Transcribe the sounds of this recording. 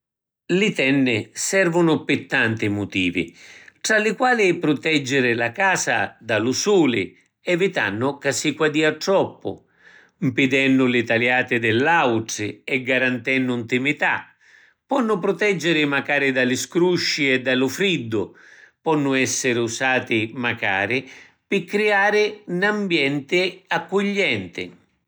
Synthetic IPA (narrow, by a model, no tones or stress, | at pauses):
lɪt̪ɛnːɪsɛrvʊnʊpɪt̪ːant̪imʊt̪iːvḭʈɾalɪkwaːlɪpɾʊt̪ɛd͡ʒːɪɾɪlakaːsa̰d̪alʊsuːlɪ̰ | ɛvit̪a̰nːʊkasːikwad̪iːaʈɾɔpːʊ̰ | mpɪd̪ɛnːʊlɪt̪aljaːt̪ɪd̪ɛlːawʈɾɪɛɡaɾant̪ɛnːʊunt̪imit̪a̰ | pɔnːʊpɾʊt̪ɛd͡ʒːɪɾɪmakaːɾɪd̪alɪskɾuʃːiɛd̪ːalʊfɾid̪ːʊpɔnːʊɛsːɪɾɪusaːt̪ɪmaka̰ːɾɪ | pɪkːɾiaːɾɪnambjɛnt̪ɪakːʊʎːɛnt̪ɪ̰